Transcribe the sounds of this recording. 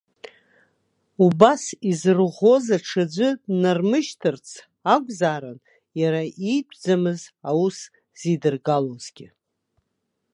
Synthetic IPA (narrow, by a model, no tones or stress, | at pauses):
ubasizɨrʁʷo̞zaʈ͡ʂʰad͡ʒʷɨdnarmɨʃtʰɨrt͡sʰ | aɡʷʼzaːɾan | jaɾaʔipʷʰʼd͡zamɨzawus | z̥idɨrɡaloz̥ɡʲɪ